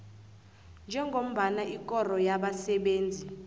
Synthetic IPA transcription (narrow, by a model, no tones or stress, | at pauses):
nd͡ʒʱɛŋɡʱom̩ɓanaʔikʼɔrɔjaɓasɛɓeːnd͡zʱi